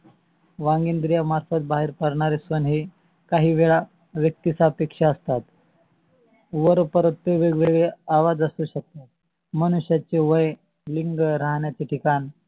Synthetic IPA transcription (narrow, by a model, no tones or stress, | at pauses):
ʋãŋɡind̪ɾijamaɾfət̪̚baɦeɾpəɾɳaɾesʋənɦi | kaɦiːʋeɭa | ʋjək̚t̪isapekʂaəst̪at̪ | ʋəɾpəɾət̪t̪ːeʋeɡʋeɡɭeaʋad͡zəsuːɕək̚t̪at̪̚ | mənuɕjat͡ɕeʋəj | liŋɡɾaɦɳjat͡seʈʰikani